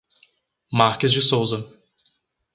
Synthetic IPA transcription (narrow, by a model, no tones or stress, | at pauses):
maɾkɪzd͡ʒɪsowzɐ